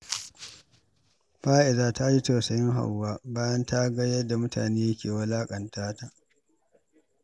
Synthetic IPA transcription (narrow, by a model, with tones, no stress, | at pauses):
ɸaː˦ʔɪ˨zaː˦ta˦ji˦tɐ˨sɐ˦jɪ˦ŋɦa̰˨wːaː˦baː˦jɐ˦nta˦ɡɐ˦jɐ˦da˨mʊ˦ta̰ː˨neː˦jɐ˦kʲeː˨wɐ˦laː˦kʼɐ˨ntaː˦ta˨ʔ